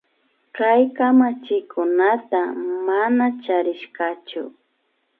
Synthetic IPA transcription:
kajkamat͡ʃɪkʰʊnat̪amanat͡ʃaɾɪʃkat͡ʃʊ̰

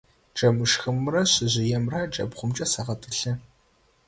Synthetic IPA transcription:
ʈ͡ʂʼɐmɨʂxɨmrɐɕɪʑɪjɛmrɐʈ͡ʂʼɐ̰bχʷʊmt͡ʃʼɐsɐʁɐtʰʼɨɬɨ

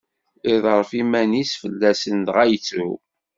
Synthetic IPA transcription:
ɪðˤəɾˤfimænisfəlːæsənt̪ʁæjt͡sːṵ

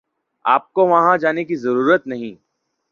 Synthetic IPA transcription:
aːp̚koʋɐɦãd͡ʒaːnekizɐɾuːɾət̪nɐɦĩː

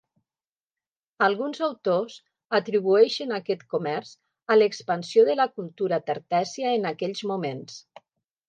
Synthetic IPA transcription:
alˠɣunzawt̪oz | at̪ɾiβ̞uɛʃənakɛt̪kumɛɾz̥ | aləkspansioðəlakulˠt̪uɾat̪eɾt̪ɛsiaːnakɛʎzmumens

